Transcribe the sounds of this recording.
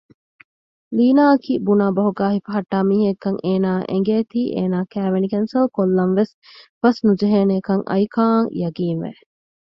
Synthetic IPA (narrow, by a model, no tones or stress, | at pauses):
liːnaːɐkiːbunaːbɐɦuɡaːɦifɐɦɐʈːaːmiːɦekːɐŋeːnaːʔḛŋɡeːt̪iːʔḛːnaːkæːʋenikɐnsɐlkolːɐmʋes | b̥ɐsnud͡ʒeɦeːnekɐŋʔɐ̰jkaːŋjɐɡiːnʋæ̰